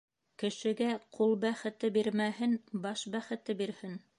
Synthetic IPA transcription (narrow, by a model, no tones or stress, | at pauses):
kɘ̆ʃɘ̆ɡæqʰulˠbæχɘ̆t̪ɘbiɾmæhɘnbɑʃbæχɘ̆t̪ɘbiɾhɘn